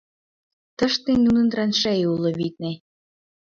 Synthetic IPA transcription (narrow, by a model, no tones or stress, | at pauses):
t̪ə̆ʃt̪enunə̆nd̪ɾɑnʃæjulɤ̆βit̪̚ne